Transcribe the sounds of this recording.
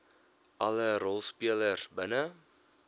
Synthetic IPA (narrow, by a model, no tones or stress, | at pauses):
ʔɐləɾɔlˠspiələrsbənə